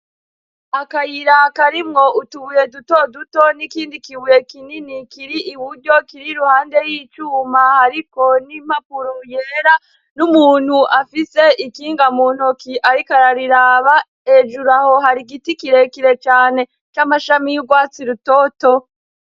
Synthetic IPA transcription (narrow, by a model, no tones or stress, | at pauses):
akajiɾakaɾimŋo̞ʔutuβuje̞dutodutonikiːndikiβujekininikiɾiʔːβuɾɟo̞kiɾiɾuhaːnde̞jiːt͡ʃuːmahaɾiko̞nim̥hapuɾomujeɾa | numuːn̥huʔafise̞ʔikiːŋɡamuːn̥hokiʔaɾikaɾaɾiɾaβa | e̞d͡ʒuɾaho̞haɾiɡitikiɾe̞kiɾe̞t͡ʃaːne̞ | t͡ʃamaʃamijuɡwaːt͡siɾuto̞ːto̞